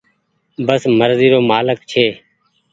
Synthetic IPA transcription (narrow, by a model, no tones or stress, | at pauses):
bəsməɾziːɾoːmaːləkt͡ʃʰeː